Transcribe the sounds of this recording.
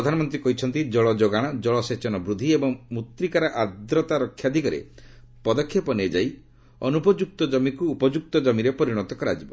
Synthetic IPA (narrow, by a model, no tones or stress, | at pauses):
ɾɔd̪ʱanɔmɔnt̪ɾikɔɦit͡ʃʰɔnt̪id͡ʒɔɭɔd͡ʒoɡaɽ̃ɔd͡ʒɔɭɔset͡ʃɔnɔbɾud̪ʱːiebɔŋmut̪ɾikaɾaʔad̪ɾɔt̪aɾɔkʰːjad̪ʱikɔɾḛ | pɔd̪ɔkʰːjɔpɔned͡ʒaj | ɔnupɔd͡ʒuk̚t̪ɔd͡ʒɔmikuːpɔd͡ʒuk̚t̪ɔd͡ʒɔmiɾepɔɾiɽ̃ɔt̪ɔkɔɾad͡ʒibɔ